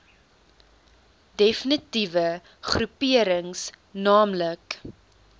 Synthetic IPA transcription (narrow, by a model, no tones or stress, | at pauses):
definitivə | χrupiəɾəŋsnɑːmlək